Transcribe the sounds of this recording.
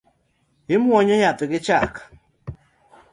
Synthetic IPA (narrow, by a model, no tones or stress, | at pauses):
ɪmɔɲɔjat̪ɪkɪt͡ʃak